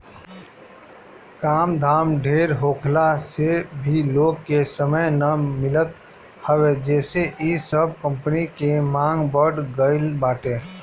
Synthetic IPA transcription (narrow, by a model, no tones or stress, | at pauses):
kaːmd̪ʱaːmɖʱeːɾɦoːkʰlasebʱiloːɡkesəməjnəmɪlət̪ | həwed͡ʒɛːseʔisəbkə̃mpənikemãːŋɡbəɖɡəɪlbaːʈẽː